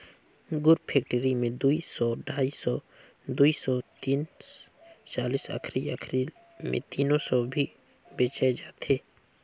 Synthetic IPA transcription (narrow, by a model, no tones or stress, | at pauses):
ɡʊɾpʰeːk̚ʈəɾimẽd̪uisɔɖʱaːisɔ | d̪uisɔːt̪iːn | t͡ʃaːlisə̰kʰɾiəkʰɾil | mḛ̃t̪iːnõsɔbʱi | beːt͡ʃaed͡ʒaːt̪eː